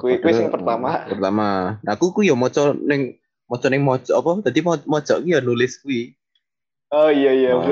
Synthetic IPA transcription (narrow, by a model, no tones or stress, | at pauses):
kuikuisɪŋpərt̪amapərt̪amanakukujɔmɔt͡ʃɔnɪŋ | mɔt͡ʃɔnɪŋmɔ̥t͡ʃɔʔapɔd̪̥ad̪imɔmɔ̥ʒ̥ɔʔkujɔnulɪskui | ɔijaija